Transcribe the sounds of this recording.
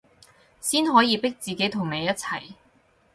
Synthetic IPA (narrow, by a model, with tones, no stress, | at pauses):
siː˥nɦɔː˨˥jiː˨˧pɪ˥k̚t͡siː˨˩ke˨˥jt̪ʰʊ˨˩ŋne˨˧jɐ˥t̚t͡sʰɐ̰˨˩j